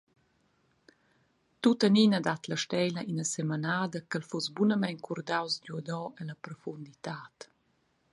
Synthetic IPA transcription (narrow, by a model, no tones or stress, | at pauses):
t̪ut̪aninad̪at̪laʃtɛjləʔinəsɛmanaːd̪əkəlfusbunəmɛnkʰurd̪awsɟud̪ɔɛlɐpɾɔfund̪it̪aːt